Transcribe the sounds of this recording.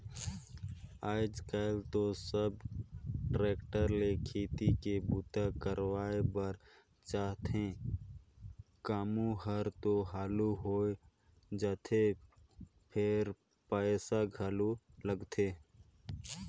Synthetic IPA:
aːɪd͡ʒkaɪlt̪osəb̚ | ʈɾeːkʈəɾlekʰeːt̪ikebut̪akəɾwaːebəɾ | t͡ʃaːɦt̪ẽ | kaːmuɦəɾt̪oɦaːluɦoːe | d͡ʒəːt̪ʰe | pʰɪɾ | pəːsaɡʱaluləɡt̪ʰeː

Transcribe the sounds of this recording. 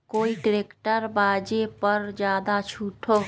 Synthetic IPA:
koːiʈɾeːkʈəɾbaːd͡ʒepəɾd͡ʒjaːd̪at͡ʃʰuʈʰo

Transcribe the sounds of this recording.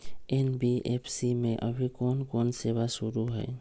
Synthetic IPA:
enbiepʰsimẽʔəbʱikɔnkɔnseβasuɾuɦɛ̰j

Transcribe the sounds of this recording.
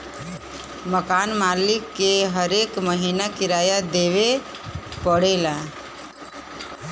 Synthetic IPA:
məkaːnmaːlɪkːeɦəɾeːkməɦiːnakɪɾaːjad̪eːʋe | pəɽeːla

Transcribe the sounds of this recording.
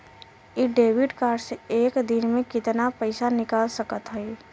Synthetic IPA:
iɖeːʋɪɖkaːɾɖseeːkd̪ɪnmẽkɪt̪napəɪsanɪkaːlsəkət̪ɦɛe

